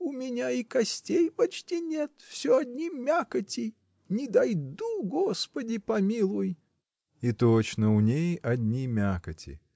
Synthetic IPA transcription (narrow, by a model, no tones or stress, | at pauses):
ʊmʲɪnʲaikɐsʲtʲejpɐt͡ɕtʲinʲet̪fsʲoɐdʲnʲimmːʲakətʲɪj | nʲɪd̪ajd̪uɡospədʲɪpɐmʲilˠʊj | it̪ot͡ɕnəʊnʲejɐdʲnʲimʲakətʲɪ̰